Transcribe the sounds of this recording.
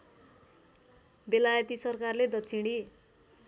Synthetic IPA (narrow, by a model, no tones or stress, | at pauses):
belajʌt̪isʌrkarled̪ʌt͡sʰiɽ̃i